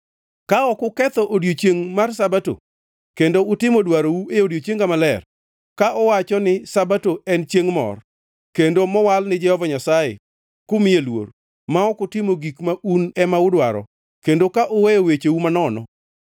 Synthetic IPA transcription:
kaɔkʊkɛt̪ɔʔodjot͡ʃjeŋmarsabato̰ | kendoʊtɪmɔdwaɾowueodjot͡ʃeŋɡamalɛr | kaʔɔwat͡ʃɔnɪsabatoɛnt͡ʃeŋmɔ̰r | kendomɔwalnɪd͡ʒɛhɔvaɲasajḛ | kʊmɪelwo̰r | maɔkʊtɪmoɡikmaʔunɛmaʊdwaɾɔ̰ | kendokaʔowejowet͡ʃewumanɔnɔ̰

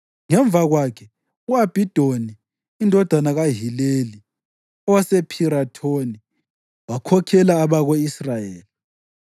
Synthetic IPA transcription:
ŋɛɱb̪vʱaɣwakʰɛ | uab̥ʱid̥ʱoniː | ndʱɔd̥ʱanaɣaɦileli | ɔwasepʰiɾatʰoni | wakʰɔkʰɛlaːβaɣoisrajeːli

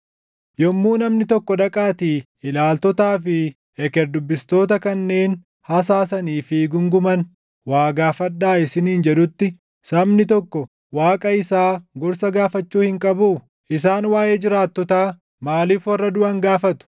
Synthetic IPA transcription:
jɔmːuːnɐmnɪt̪ɔkːɔd̪ɐkʼaːt̪iː | ɪlaːlt̪ɔt̪aːfɪ | ɛkɛɾd̪ʊbːɪst̪o̞ːt̪ɐkɐnːe̞ːn | hɐs̬aːsɐniːfɪɡʊŋɡʊmɐn | waːɡaːfɐd̪ːaːɪsɪniːnd͡ʒɛd̪ʊt̪ːɪ | sɐmnɪt̪ɔkːɔ | waːkʼɐɪsaːɡɔɾsɐɡaːfɐt͡ʃːuːhɪŋkʼɐbuː | ʔɪs̬aːnwaːjeːd͡ʒɪɾaːt̪ːɔt̪aː | maːliːfwɐrːɐd̪ʊɐŋɡaːfɐt̪ʊ̥

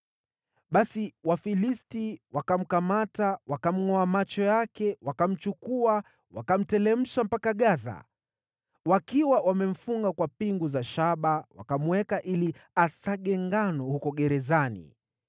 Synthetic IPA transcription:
ɓasiwafilistiwakam̩kamatawakam̩ŋɔamat͡ʃɔjakɛwakam̩t͡ʃukua | wakam̩tɛlɛm̩ʃam̩pakaɠaza̰ | wakiwawamɛm̩fuŋɡakwapiŋɡuzaʃaɓawa̰kam̩wɛkaʔiliasaɠɛŋɡanɔhukɔɠɛɾɛzanḭ

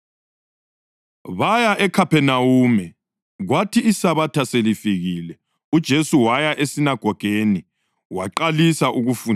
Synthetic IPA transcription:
βajaʔɛkʰapɛnawumɛ | ɣwatʰiːsaβatʰaselifiɣilɛ | ud̥ʒ̥ʱesuwajaʔesinaɡ̥ʱɔɡ̥ʱeni | waǃalisaʔuɣufun

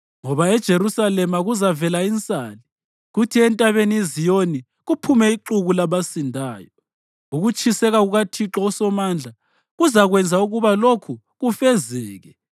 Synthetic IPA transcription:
ŋɔβaɛd̥ʒ̥ʱerusalɛmaɣuzavɛlaint͡sʼaːli | ɣutʰiɛntʼaβeniizijoni | ɣupʰumɛiǃuɣulaβasindʱaːjɔ | uɣut͡ʃʰʼisɛɣaɣuɣatʰiǁɔɔsɔmand͡ɮʱa | ɣuzaɣwɛnd͡zʱauɣuβalokʰu | ɣufɛzɛːɣɛ

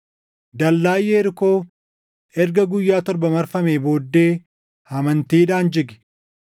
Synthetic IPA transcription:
d̪ɐlːaːjːeːɪɾko̞ː | ɛɾɡɐɡʊjːaːt̪ɔɾbɐmɐɾfɐmeːbo̞ːd̪ːe̞ː | hɐmɐnt̪iːᶑaːnd͡ʒɪɡɪ̥

